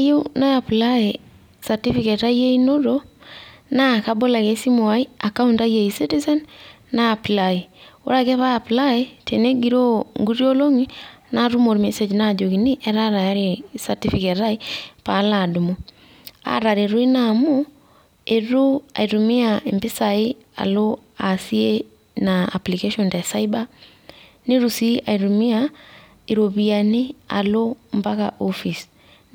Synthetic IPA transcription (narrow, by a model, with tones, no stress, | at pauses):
jo˦na˦ja˨pla˦e | sa˨ti˦fike˨ta˦je˦ino˦ɾo | na˦ka˦bo˦la˨ke˦si˦mo˨a˦i˦a˨ka˦u˦nda˦je˨isi˦ti˦zɛ˦nː | a˦a˨plai˨o̰˦ɾa˦kɛ˦pa˦a˨pla˦e˦tʰene˦ɡi˨ɾo˦ŋɡu˦ɾjo˦lo˦ŋi˦na˦ɾu˦mo˨ɾme˦se˨d͡ʒna˦˨d͡ʒo˨ki˨ni˦ʔɛ˦ɾa˦ɾa˨ja˦ɾe˨sa˨ti˦fike˨tɾa˦ipa˨˦la˨du˨mo˦ | a̰˨ɾa˨ɾe˨ɾu˦i˦na˨mo˦ | e˨ɾu˦a̰˨i˨ɾu˨mi˦a˨e˨mbɪ˦sa˨ɪ˦ | a̰˨lo˦ | a˨si˦e˦ | na˨a̰˨pli˨ke˦ʃɔ˨nda˨sa˦i˦ba˦ | ne˦ɾu˨si˦a̰˨i˨ɾu˨mi˦a˨ | i˨ɾo˨bi˨a˨nɪ˦a̰˨lo˦mba˦ka̰˨ʔo˦fi˨s